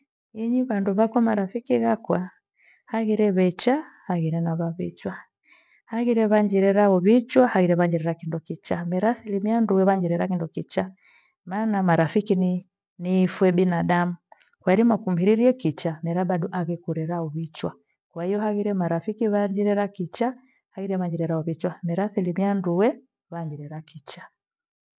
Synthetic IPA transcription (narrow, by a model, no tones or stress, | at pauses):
iɲiβanduβakwamaɾafikiɣakwa | haɣiɾɛβɛt͡ʃahaɣiɾɛnaβaβḭt͡ʃwa | haɣiɾɛβaɲd͡ʒiɾɛɾaɔβit͡ʃwahaɣiɾɛβaɲd͡ʒɛɾɛɾakindɔkit͡ʃamɛɾasilimianduwɛβaɲd͡ʒiɾɛɾakindɔkit͡ʃa | manamaɾafikin | nifwɛbinadamu | kwaɛɾimakumbiɾiɾiɛkit͡ʃamɛɾabaɗuʔaɣɛkuɾɛɾauβit͡ʃwa | kwahijɔhaɣiɾɛmaɾafikiβaɲd͡ʒiɾɛɾakit͡ʃa | haɣiɾɛβaɲd͡ʒiɾɛɾaɔβit͡ʃwamɛɾaθilimianduwɛ | βaɲd͡ʒiɾɛɾakit͡ʃḁ